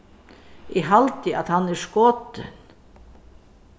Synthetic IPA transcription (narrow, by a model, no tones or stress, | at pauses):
ɪɦalt̪ɪʔaðhanːɛ̥skɔːt̪ɪ̰n